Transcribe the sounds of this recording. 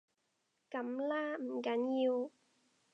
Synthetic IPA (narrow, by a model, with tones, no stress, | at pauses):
ka˨˦mlaː˦˥˩m̩˨˩ka˨˦˥nji˧w